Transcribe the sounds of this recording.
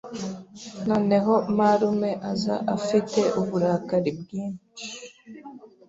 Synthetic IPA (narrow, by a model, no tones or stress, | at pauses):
noːneɦomaɾumeʔaza̰ʔafiteʔuβuɾaːkaɾib̚ɡiːn